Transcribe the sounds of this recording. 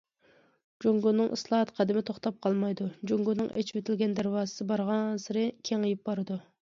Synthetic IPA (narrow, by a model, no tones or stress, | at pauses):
d͡ʒoŋɡunːɨŋʔɨslˠɑɦɑt̪qʰɑd̪ɪmɪt̪ʰoχt̪ɑp̚qʰɑlˠmɑjd̪ud͡ʒoŋɡunːɨŋʔɛ̰t͡ʃʰwet̪ʰɪlɡʲɛnd̪æɾwɑːzɨ̥sɨbɑɾʁɑnsɨɾɪkʲʰeŋəjɪp̚bɑɾɨd̪u